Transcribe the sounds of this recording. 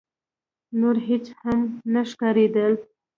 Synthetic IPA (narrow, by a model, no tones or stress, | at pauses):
noɾɦet͡ʃhamnaʃkaɾed̪əl